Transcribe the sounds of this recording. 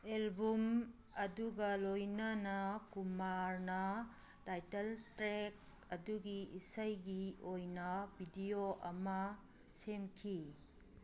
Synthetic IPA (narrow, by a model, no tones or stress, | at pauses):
elbum | ɐduɡɐlojnɐnɐkumaɾnɐ | tajtɐltɾek̚ | ɐduɡiisɐjɡiojnɐbʱidioʔɐmɐ | semkʰi